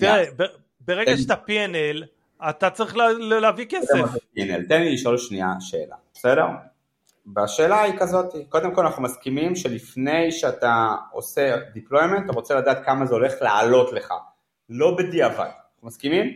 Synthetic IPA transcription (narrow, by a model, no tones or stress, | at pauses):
t̪iʁebe | beʁeɡaʃet̪apienel | at̪at͡saʁiχllleavikesefpienelt̪enliːʃolʃnia̰ʃe̞̰ːla̰besede̞ʁ | baʃe̞ːlaikazo̞t̪iko̞d̪emkolanaχnumaskimimʃelifne̞jʃeat̪ao̞̰se̞diplo̞jment̪aʁo̞t͡selad̪aːt̪kamazeo̞le̞χlaːlo̞tle̞χa̰ | lo̞bediava̰d̪annaχumaskimim